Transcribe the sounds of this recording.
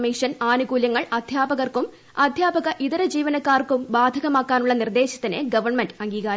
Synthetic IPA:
miːʂɐnaːnuɣuːljɐŋːɐɭɐd̪ʱjaːbɐɣɐrkum | ɐd̪ʱjaːbɐɣɐʔiðɐɾɐd͡ʑiːʋɐnɐkːaːrkumbaːd̪ʱɐɣɐmaːkːaːnuɭːɐnird̪e̞ːɕɐ̥t̪ːineɡɐʋɐrmenɖɨɐŋɡiːɣaːɾ

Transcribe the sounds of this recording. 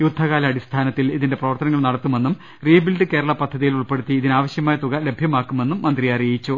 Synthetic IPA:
jud̪ʱːɐɣaːlɐɐɽist̪ʰaːnɐt̪ːiliðinde̞prɐʋɐrt̪ɐnɐŋːɐɭnɐɽɐt̪ːume̞nːum | riːbilɖɨke̞ːɽɐɭɐpɐd̪ʱːɐðijiluɭpe̞ɽut̪ːiːðinaːʋɐɕjɐmaːjɐt̪uɣɐle̞bʱjɐmaːkːume̞nːumːɐnd̪rijaːɾijit͡ɕːu

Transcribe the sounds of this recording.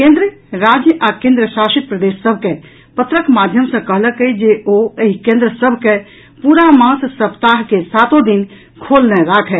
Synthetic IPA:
kẽnd̪ɾəɾad͡ʒjəʔakẽnd̪ɾəʃaʃit̪̚pɾəd̪esːəbʱke | pət̪ɾəkmad̪ʱjəmsə̃kəɦləkəid͡ʒeoeikẽnd̪ɾəsəbʱke | puɾamãssəpt̪aɦkesat̪od̪in | kʰolnɛɾakʰɛ

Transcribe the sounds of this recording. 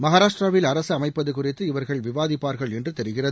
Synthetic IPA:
mɐɣaːɾaːʂʈraːʋɪlɐɾɐsɯɐmɐɪpːɐðɯkʊrɪt̪ːɯɪʋɐɾɣɐɭʋɪʋaːðɪpːaːɾɣɐɭɛndrɯt̪ɛɾɯɣɪrɐð

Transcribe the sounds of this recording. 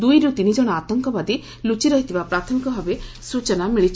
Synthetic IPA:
d̪ujɾut̪inid͡ʒɔɽ̃ɔat̪ɔŋkɔbad̪e | lut͡ʃiɾɔɦit̪ʰibapɾat̪ʰɔmikɔbʱabe | sut͡ʃɔnamiɭit͡ʃʰ

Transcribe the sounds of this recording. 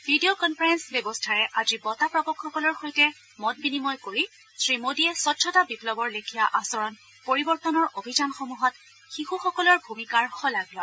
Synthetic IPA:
bʱidiokɔnpʰɔɹɛnsbjɔbɔstʰaɹɛʔazibɔtapɹɔbɔkxɔkɔlɔɹxojtɛ | mɔt̚binimɔjkoɹi | sɹimodiɛsɔtʰːɔtabiplɔbɔɹlekʰijaʔasɔɹɔn | poɹibɔɹtɔnɔɹʔobʱizanxomuɦɔt | xixuxɔkɔlɔɹbʱumikaɹxɔlaɡlɔ

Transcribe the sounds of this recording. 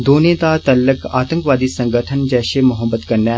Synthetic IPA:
d̪oːnẽːt̪aːt̪əlːəkaːt̪ə̃ŋkʋaːd̪iːsəŋɡəʈʰənd͡ʒɛːʃeːmʊɦəbət̪kəɾnɛː

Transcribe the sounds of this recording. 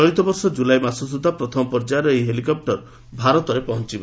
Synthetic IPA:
ɔɽit̪ɔbɔɾsɔd͡ʒulajmasɔsud̪ʱːapɾɔt̪ʰɔmɔpɔɾd͡ʒaɾɔejɦelikɔp̚ʈɔɾ | bʱaɾɔt̪ɔɾepɔɦɔnt͡ʃibɔ

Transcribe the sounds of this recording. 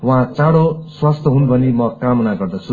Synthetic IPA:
wʌɦãt͡saɽoswast̪ʰʌɦunbʱʌnemʌkamʌnaɡʌrd̪ʌt͡sʰu

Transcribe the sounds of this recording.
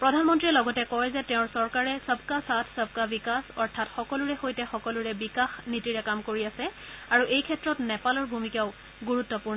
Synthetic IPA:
pɹɔdʱanmɔntɹiɛlɔɡɔtɛkɔjzɛtɛʊ̃ɹsɔɹkaɹɛsəbkasatʰsəb̚ʱkabikasɔɹtʰatxɔkɔluɹɛxojtɛxɔkɔluɹɛbikaxnitiɹɛkamkoɹiasɛaɹuʔejkʰɛtːɹɔtnɛpalɔɹbʱumikaʊ | ɡuɹutːɔpʊɹnɔ

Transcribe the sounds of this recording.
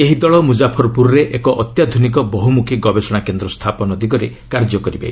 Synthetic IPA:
eɦid̪ɔɭɔmud͡ʒapʰɔɾɔpuɾɔɾeʔekɔʔɔt̪jad̪ʱunik̬ɔbɔɦumukʰiɡɔbesɔɽ̃akend̪ɾɔst̪ʰapɔnɔd̪iɡɔɾe | kaɾd͡ʒɔkɔɾiba̰

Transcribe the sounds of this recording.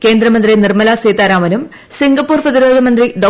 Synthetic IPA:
ke̞ːnd̪ɾɐmɐnd̪rinirmɐlaːseːt̪ːaːɾaːmɐnum | siŋɡɐpːuːrprɐðiɾoːd̪ʱɐmɐnd̪riɖo

